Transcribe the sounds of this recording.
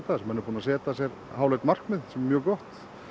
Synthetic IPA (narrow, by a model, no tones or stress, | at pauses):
t̪aðsɛmɛnʏɾpuːnasɛːt̪asjɛɾ | ɦaːwlet̪mar̥kmɪðsɛmmjœːɣkɔht̪